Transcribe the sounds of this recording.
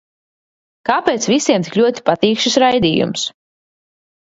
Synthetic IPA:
kaːpeːt̪svisiɛmt̪iklʲuɔt̪i̥pat̪iːkʃisɾajd̪iːjṵms

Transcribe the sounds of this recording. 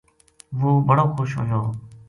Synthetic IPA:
ʋoːbʱəɽoːkʰʊʃɦʊ̰ɦjoː

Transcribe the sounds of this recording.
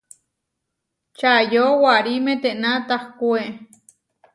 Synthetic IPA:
t͡ʃajowaɾimet̪eʔnat̪ahkueʔ

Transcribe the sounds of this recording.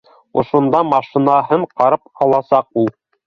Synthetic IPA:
ŏʃŏnd̪ɑmɑʃĭnɑɦɤɴqɑɾɤp̚ɑlˠɑsɑq̚ulˠ

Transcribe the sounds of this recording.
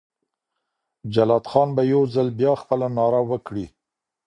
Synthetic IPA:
d͡ʒalɑd̪xɑnbajawzalbjɑxpəlanɑɾawəkɽi

